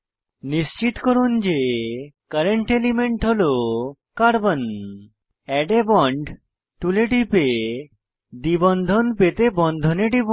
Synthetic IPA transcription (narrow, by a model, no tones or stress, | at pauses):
nist͡ɕit̪koɾund͡ʑekəɾeɳʈelimeɳʈɦolo | kaɾbon | ɛɖebɔɳɖ | ʈuleɖipe | d̪ibɔnd̪ʱonpet̪ebɔnd̪ʱoneɖib